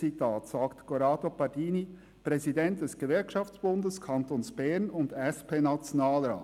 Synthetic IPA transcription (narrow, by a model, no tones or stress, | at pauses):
itʰaːtsaːktkoɾɑːdopɑdiːni | pɾɛzidɛntd̥ɛsɡ̥əvɛɾkʃɑft͡sb̥ʊndəskʰɑntoːnsb̥ɛɾnʊndɛspʰeːnat͡sjonaːlɾa̰ː